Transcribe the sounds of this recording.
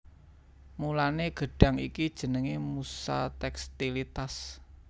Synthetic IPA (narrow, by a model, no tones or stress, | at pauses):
mulaneɡ̥ə̤ɖ̥a̤ŋikid̥ʒ̥ə̤nəŋemusa̰t̪ɛkst̪ilit̪as